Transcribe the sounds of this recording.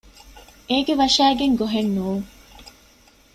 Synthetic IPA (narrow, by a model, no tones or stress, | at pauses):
eːɡeʋɐʃæːɡeŋɡoɦenːuːŋ